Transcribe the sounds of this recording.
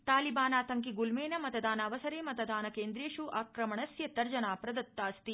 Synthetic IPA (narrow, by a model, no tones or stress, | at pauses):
t̪aːlibaːnaːt̪ɐŋkiɡulmeːnɐmɐt̪ɐd̪aːnɐːʋɐsɐɾeːmɐt̪ɐd̪aːnɐkeːnd̪ɾeːʂuʔaːkɾɐmɐɳɐsjɐt̪ɐɾd͡ʒɐnaːpɾɐd̪ɐt̪ːaːst̪i